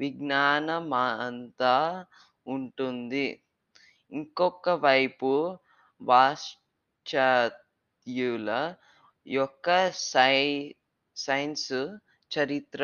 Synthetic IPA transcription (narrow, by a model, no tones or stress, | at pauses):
ʋiɡnaːnɐmaːɐnt̪aː | uɳʈund̪i | iŋkɔkːɐʋɐjpu | ʋaːʂ | t͡ʃat̪ | julɐ | jɔkːɐ | sɐjnsu | t͡ʃɐɾit̪ɾɐ